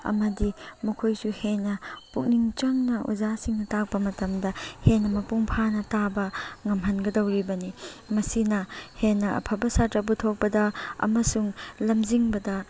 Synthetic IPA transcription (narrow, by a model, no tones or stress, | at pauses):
ɐ̰mɐdimɐkʰojsuhenːɐpuk̚niŋt͡ʃɐmnɐṵzasiŋnɐtak̚pɐmɐtɐmdɐhenɐmɐpuŋpʰanɐtabɐŋɐmɦɐnɡɐdɐwɾibɐnimɐsinɐhenːɐɐ̰pʰɐbɐsatɾɐputʰok̚pɐdɐɐ̰mɐsuŋlɐmziŋbɐdɐ